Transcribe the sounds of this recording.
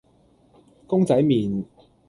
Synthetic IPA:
kʊ˥ŋt͡sɐ˨˥jmiː˨n

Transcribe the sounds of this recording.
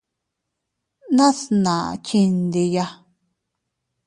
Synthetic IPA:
nã˦snã˨ʔt͡ʃi˧nd̪i˧ja˧

